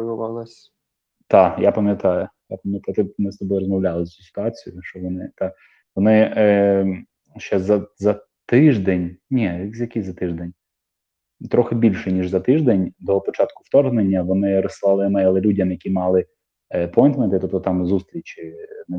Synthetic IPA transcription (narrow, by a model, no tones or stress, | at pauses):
ʊʋɑlˠɐsʲ | t̪ɑjapɐmʲjɐt̪ɑjʊjapɐmʲjɐt̪ajʊt̪ɪmɪst̪ɔbɔjɾɔzmɔʋlʲalˠɪzɐt͡sʲu̥sʲɪ̥t̪ʊɑt͡sʲijʊʃt͡ʃɔʋɔnɪt̪ɑ | ʋɔnɪ | ʃt͡ʃɛzɐzɐ | t̪ɪʒd̪enʲnʲɛzjɐkizɐt̪ɪʒd̪ɛnʲ | t̪ɾɔxɪbʲilʲʃɛnʲiʒzɐt̪ɪʒd̪enʲd̪ɔpɔt͡ʃɑt̪kʊft̪ɔrɦnenʲːɐʋɔnɪɾɔsːɪlˠɑlˠɪmɛjlˠɛlʲudʲɐmjɐkʲimɑlˠɪ | pʰɔjnt̪mɛt̪ɪt̪ɔp̚t̪ɔt̪ɑmzust̪ɾʲit͡ʃʲɪnɛ